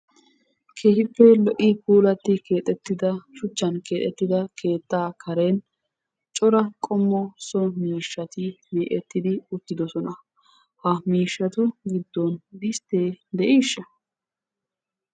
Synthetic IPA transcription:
kʰeːhɪpːɛlɔʔɪpuːlɐt̪ːɪkʰe̞ːt̪ʼɛt̪ːɪd̪ɐʃʊt͡ʃːɐnke̞ːt̪ʼːɛt̪ːɪd̪ɐkʰe̞ːt̪ːaːkʰɐɾe̞ːn | t͡ʃʼɔɾɐkʼɔmːɔsɔmiːʃːɐt̪ɪmeːʔɛt̪ːɪd̪ɪʊt̪ːɪd̪ɔsɔnɐ | hɐmiːʃːɐt̪ʊɡɪd̪ːɔnd̪ɪst̪e̞ːd̪ɛʔiːʃːɐ

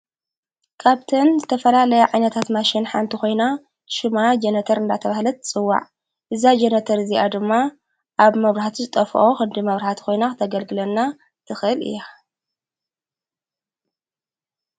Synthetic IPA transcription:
kʰaβt̪ʰɐnzɨt̪ʰɐfɐlalɐjaʕajnɐt̪ʰat̪maʃɪnħant̪ʰixo̞jna | ʃɪmad͡ʒenɐt̪ʰɐɾɨnd̪at̪ʰɐβahlɐt̪ʰt͡sʼɨwːa̰ʕ | ʔɨzad͡ʒenɐt̪ʰɐɾɨziʔad̪ɨmːa | ʔaβmɐβɾahat̪ʰuzɨt̪ʼɐfʔoxɨnd̪imɐβɾahat̪ʰi̥xʰo̞jnaxɨt̪ʰɐɡɐlɡɨlɐnːa | t̪ʰɨxɨlɨ̰ja

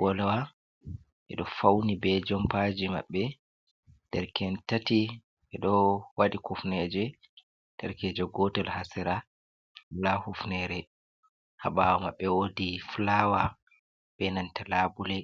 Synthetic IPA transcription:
wʔɔlawa | ʔɛ̰ɗɔfawnibɛd͡ʒɔmpad͡ʒima̰ɓːɛ | d̥ɛɾkɛntati | ʔɛɗɔwaɗikufnɛd͡ʒɛ | d̥ɛɾkɛd͡ʒɛɡɔtɛlhasɛɾa | lahufnɛɾɛ | haɓawamaɓːɛwodiflawa | bɛnantalabulɛ

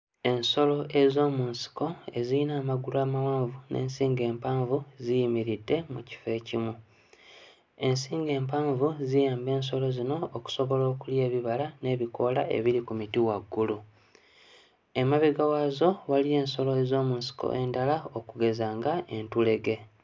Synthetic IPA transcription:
e̞nso̞lo̞ʔe̞zo̞ːmuːnsi̥ko̞e̞ziinaːmaɡulaːmawaːɱvunʔe̞̰ːnsiːŋɡe̞ːmpaːɱvuzijimiɾidːe̞muci̥fe̞ːcimu | e̞nsiːŋɡe̞ːmpaːɱvuzijaːmbe̞ːns̬o̞lo̞zino̞ːku̥so̞βo̞lo̞ːkulje̞ːβiβalane̞ːβiko̞laʔe̞̰βiɾikumitiwaɡːulu | e̞maβiɡawazo̞walije̞ːnso̞loezo̞ːmuːnsi̥ko̰ʔe̞ndalaokuɡe̞zaːŋɡae̞ntule̞ɡe̞

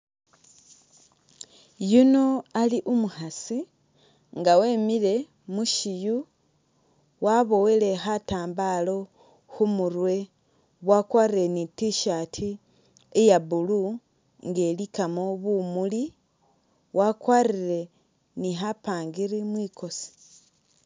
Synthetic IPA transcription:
juno̞aliʔumuhasi | ŋɡawe̞ːmile̞ | muʃiju | waβo̞wele̞ɦataːmbalo̞ | xumuɾwe̞ | βwakwaːriɾe̞nitiʃatʰi | ejaβulu | ŋɡe̞likamoβumuli | wʔakwaɾiɾe̞ | niɦapaːŋɡiɾimwiːko̞si̥

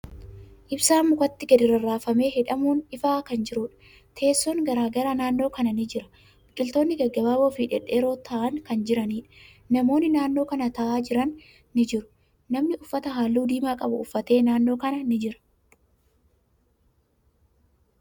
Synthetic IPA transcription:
ʔɪbsaːmːʊkʼɐt̪ːɪɡɛd̪ɪɾɐraːfɐme̞ːɦɛᶑɐmuːnɪfaːkɐnd͡ʒɪɾʊːᶑɐ̥ | t̪ʰe̞ːsːɔŋɡɐɾaːɡɐɾanaːnːo̞ːkɐnɐnɪd͡ʒɪɾɐ̥ | bɪkʼːɪlt̪o̞ːnːɪɡɛɡːɐbaːbofiːᶑɛ̰ᶑːe̞ːɾo̞ːt̪ʰɐʔɐŋkɐnd͡ʒɪɾɐniːᶑɐ̥ | nɐmo̞ːnːɪnaːnːo̞ːkɐnɐt̪ɐʔaːd͡ʒɪɾɐnː | ɪd͡ʒɪɾʊ̥ | nɐmnɪʊfːɐt̪ɐɦaːlːuːd̪iːmaːkʼɐbʊ̰ʊfːɐt̪e̞ːnaːnːo̞ːkɐnɐnɪd͡ʒɪɾɐ̥

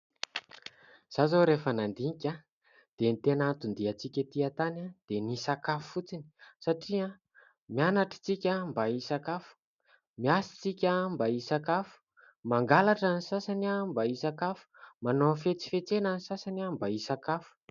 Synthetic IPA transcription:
z̥azoɾefənand̪ikʲa | d̪̥enit̪enant̪und̪iat͡sikʲət̪iat̪anad̪̥enisakafufut͡sini̥saʈ͡ʂia | mianaʈ͡ʂi̥t͡sikʲəmbaisakafu̥ | miasi̥t͡sikʲambaisakafu̥ | maŋɡalaʈ͡ʂanisasanambaisakafu̥manofet͡si̥fet͡senanisasanambaisakafu̥

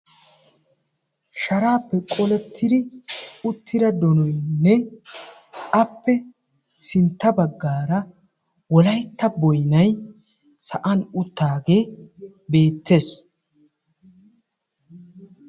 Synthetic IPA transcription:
ʃɐɾaːpːɛkʼɔlɛt̪ːɪd̪ɪʊt̪ʰːɪd̪ɐd̪ɔnɔjnːɛ | ʔɐpːɛ | sɪnt̪ːɐbɐɡːaːɾɐ | wɔlɐjt̪ːɐbɔjnɐj | sɐʔɐnʊt̪ːaːɡe̞ː | be̞ːt̪ːe̞ːs

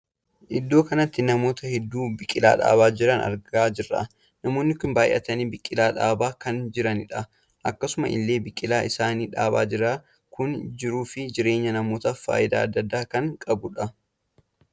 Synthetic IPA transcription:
ʔɪd̪ːoːkɐnɐt̪ːɪnɐmo̞ːt̪ɐhɛd̪ːuːbɪkʼːɪla̰ːᶑa̰ːbaːd͡ʒɪɾɐnɐ̰ɾɡaːd͡ʒɪrːa̰ː | nɐmo̞ːnːɪkʊnbaːjʔɐ̰t̪ɐniːbɪkʼːɪlaːᶑa̰ːbaːkɐnd͡ʒɪɾɐnɪᶑɐ | ʔɐkːɐsʊmɐʔɪ̰lːeːbɪkʼːɪlaːʔɪsaːniːᶑaːbaːd͡ʒɪɾaː | kʊnd͡ʒɪɾuːfɪd͡ʒɪɾe̞ːɲːɐnɐmo̞ːt̪ɐfa̰ːʔɪd̪a̰ːɐd̪ːɐd̪ːaːkɐŋkʼɐbʊᶑɐ

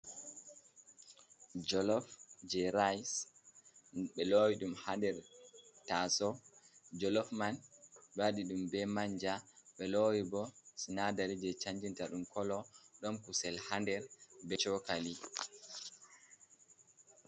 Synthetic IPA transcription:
d͡ʒɔlɔfd͡ʒɛɾajs | ɓɛlowiɗumhandɛɾtasɔd͡ʒɔlɔfmanbaɗiɗumbɛmaɲd͡ʒaɓɛlowibɔsinadaɾid͡ʒɛt͡ʃaɲd͡ʒintaɗumkʰɔlɔɗɔmkusɛlhandɛɾbɛt͡ʃɔkali

